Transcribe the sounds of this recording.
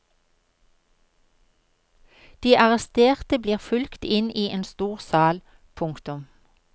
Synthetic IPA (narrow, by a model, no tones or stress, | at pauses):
d̪̥iːʔɑʁɛst̪eːʁt̪əbliːʁfʉlkt̪ɪniːʔeːnst̪uːʁsɑːl | pʰʊŋkt̪ʊm